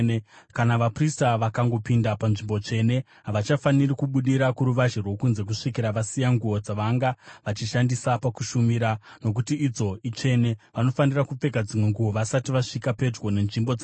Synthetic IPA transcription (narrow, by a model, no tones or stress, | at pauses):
kanaʋapristaʋakaŋɡo̞pindapanʐimbo̞t͡ʂe̞ne̞ | ɦaʋat͡ʃafanirikuɓuɗiɾakuɾuʋaʒerwo̞kunze̞k̬uʂikiɾaʋasijaŋɡuo̞d͡zaʋaŋɡaʋat͡ʃiʃandisapakuʃumiɾano̞kutiːd͡zo̞it͡ʂe̞ne̞ʋano̞fanirakup͡fe̞kad͡zimwe̞ŋɡuoʋasatiʋaʂikape̞d͡ʒɡo̞ne̞nʐimbo̞d͡za